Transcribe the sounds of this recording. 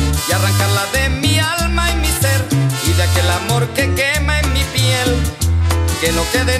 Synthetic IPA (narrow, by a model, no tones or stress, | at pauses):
jaraŋkaɾlaðe̞mialmaimise̞ɾiðeake̞lamo̞ɾke̞ke̞maeŋmipjel | ke̞no̞ke̞ðe